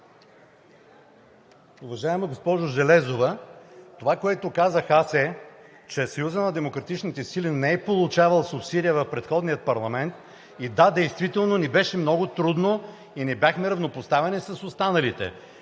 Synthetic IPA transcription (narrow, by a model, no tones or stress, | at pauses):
ʊvɐʒaɛməɡospɔʒʊʒɛlɛzovət̪ovakoɛt̪ʊkazəxasɛ | t͡ʃɛsɐjuzənɐd̪ɛmokɾɐt̪it͡ʃnit̪ɛsilinɛɛpolˠut͡ʃavɐəlˠsʊpsid̪ʲijəvɐfpɾɛt̪xɔd̪nijət̪̚pɐɾlˠɐmɛnt̪ | id̪ad̪ɛjst̪vit̪ɛlˠnonibɛʃɛmnɔɡʊt̪ɾud̪no | inɛbjaxmɛɾɐvnopost̪avɛnisɐsost̪anɐlit̪ɛ̰